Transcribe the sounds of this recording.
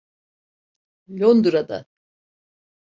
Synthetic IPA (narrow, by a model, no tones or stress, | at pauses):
lʲond̪uɾad̪a̰